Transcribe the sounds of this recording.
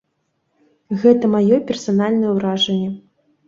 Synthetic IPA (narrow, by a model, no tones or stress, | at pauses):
ɣɛt̪ɐmajɔpʲɛrsanalʲnɐjɛwɾaʐɐnʲːɛ